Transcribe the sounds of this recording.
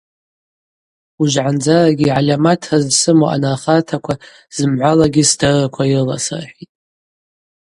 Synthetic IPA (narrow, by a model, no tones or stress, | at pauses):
uʒʕand͡zaraɡʲiʕalʲamatʰazsɨmoa̰naχatʰakʷʰa | z̥ɨmʕʷalaɡʲɪsdarakʷʰairla̰sa̰rħitʼ